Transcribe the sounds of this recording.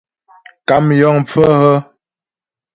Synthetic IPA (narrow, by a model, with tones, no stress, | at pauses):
ka˨mjɔ˦˨ŋp͡fə˦hə˦